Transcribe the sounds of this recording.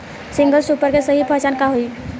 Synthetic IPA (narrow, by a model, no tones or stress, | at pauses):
sɪ̃ŋɡəlsuːpəɾkesəɦipət͡ʃaːnkaɦoi